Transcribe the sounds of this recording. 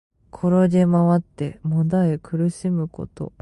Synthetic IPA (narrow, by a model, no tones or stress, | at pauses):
kʰo̞ɾo̞d̪e̞maβat̪ːe̞mõ̞d̪aekʰɯ̟ɾɯ̟ɕimɯ̟ko̞̰t̪o̞̰